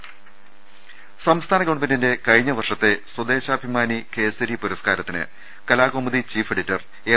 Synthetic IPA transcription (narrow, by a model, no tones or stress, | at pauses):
sɐmst̪ʰaːnɐkoɳbɐndinde̞kɐɻiɲːɐʋɐrʂɐt̪ːe̞swɐd̪e̞ːɕɐːbʱimaːnike̞ːsɐɾipuɾɐskaːɾɐt̪ːinɨ̰ | kɐlaːɣoːmɐðit͡ɕiːfeɽitːɐr | eː